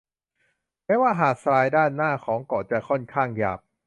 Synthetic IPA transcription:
mɛː˧˥waː˥˩ɦaː˨˩k̚sɾaː˧jdaː˥˩nːaː˥˩kʰɔː˩˦ŋkɔː˨˩t͡ɕa˨˩kʰɔ˥˩nkʰaː˥˩ŋja̰ː˨˩p̚

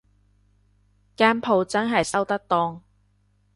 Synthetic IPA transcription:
kaː˥npʰo˨wt͡sɐ˥nɦɐ˨jsɐ˥wt̪ɐ˥k̚t̪ɔː˥ŋ

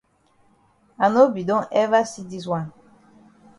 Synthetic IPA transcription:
a˨no˦bi˨dɔ̃˦ʔɛ˦va˦si˦di˦s̬wã˦˨n

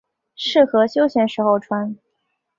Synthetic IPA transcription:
ʂɻ̩˥˩xɤ˧˥ɕjo˥ʊɕjɛ˥˩nʂɻ̩˧˥xo˥˩ʊʈ͡ʂʰwa˥n

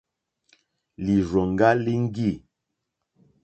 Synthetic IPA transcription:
li˨ʒɔ˨ŋ˨ɡa˦li˦ŋ̩˦ɡi˦˨

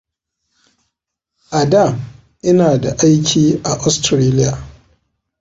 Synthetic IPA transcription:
ʔa˨da˦˨m | ʔɪ˦naː˨da˨ʔa˦jkʲʰiː˦ʔa˨ʔɔ˦stɾeː˦lɪ˦jaː˨

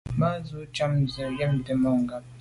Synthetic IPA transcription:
ma˦zu˦t͡ʃa˦m̩˨bja˨jɛ˦m̩˨te˨mɔ˦˨ŋ˨ɡa˦

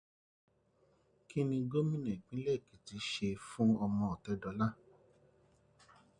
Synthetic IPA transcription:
ki˦nĩ˧ɡo˦mĩ˦nɛ̃˨k͡pĩ˦lɛ˦˨ki˨˦ti˨˧ʃe˧fũ˦ɔ˧mɔ̃˧ɔ˨tɛ˨˦dɔ˧˦la˦

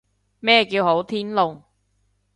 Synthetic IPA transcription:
mɛː˥kiː˧who˨˥wt̪ʰiː˥nlʊ˨ŋ

